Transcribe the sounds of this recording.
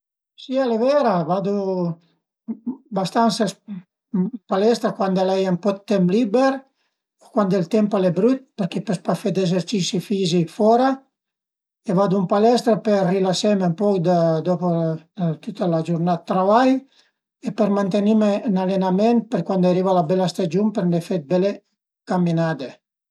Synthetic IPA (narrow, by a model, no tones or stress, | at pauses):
sialevɛɾavad̪u | bast̪ansas | palɛst̪ɾakwand̪alɛjampɔt̪t̪ːɛmplibeɾ | okwand̪elt̪ɛmpalebɾyt̪̚peɾkɛpespafɛd̪ezeɾt͡ʃisifizikfɔɾa | evad̪umpalɛst̪ɾaperrilasɛmempɔkd̪ad̪ɔpot̪ut̪alad͡ʒuɾnat̪ːɾavaj | epeɾmant̪enimenalenamɛnt̪̚peɾkwand̪aɾivalabɛlast̪ad͡ʒumpeɾnefet̪̚bɛle | kamːinad̪e